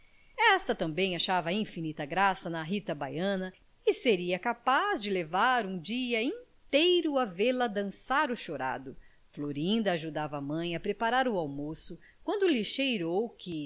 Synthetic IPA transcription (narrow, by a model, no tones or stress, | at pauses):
ɛst̪ɐt̪ɐ̃mbẽj̃aʃavɐĩfinit̪ɐɡɾasɐnɐɦit̪ɐbajɐ̃nɐ | ɪseɾiɐkapazd͡ʒɪlevaɾũd͡ʒiɐĩt̪ejɾʊɐveɾlɐd̪ɐ̃saɾʊʃoɾa̰d̪ʊ | floɾĩnd̪ɐːʒud̪avɐːmɐ̃j̃ɐpɾepaɾaɾʊawmosʊ | kwɐ̃nd̪ʊliʃejɾowkɪ